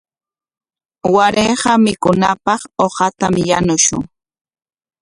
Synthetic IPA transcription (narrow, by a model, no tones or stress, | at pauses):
waɾeɢɑmɪkʊnapɑχoqɑt̪amjanʊʃʊ̰ŋ